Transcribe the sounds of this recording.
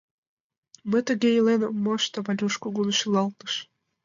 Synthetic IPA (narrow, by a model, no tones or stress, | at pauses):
mət̪əɣejlenəmːoʃt̪əβɑlʲuʃkuɣunoʃilɑlt̪ə̥ʃ